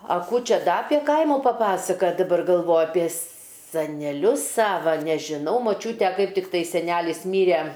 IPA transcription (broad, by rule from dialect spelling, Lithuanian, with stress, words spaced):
ɐ ˈkuː ˈt͡ʃʲɛ ˈdɐ ɐpʲeː ˈkɐɪmʊ pɐˈpɑːsɐkɐtʲ dɐˈbɐr ɡɐlˠˈʋoːjʊ ɐpʲiɛ sɐnʲɛˈlʲʊs ˈsɑːʋɐ nʲɛʒʲɪˈnɐʊ moːˈt͡ʃʲuːtʲɛ ˈkɐɪp tʲɪkˈtɐɪ sʲɛˈnʲæːlʲɪs ˈmʲiːrʲɛ